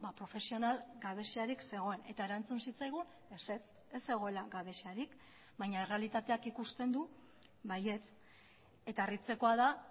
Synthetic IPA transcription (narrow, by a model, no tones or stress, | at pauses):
bapɾo̞fe̞sio̞nalɡaβ̞e̞seaɾikse̞ɣ̞o̞e̞ne̞t̪ae̞ɾant͡sunsit͡sajɣ̞un | eset͡s | esːe̞ɣ̞o̞e̞laɣaβe̞seaɾik | βajɲaere̞alit̪at̪e̞akikust̪end̪u | βaje̞t͡s | e̞t̪aerit͡se̞ko̞aða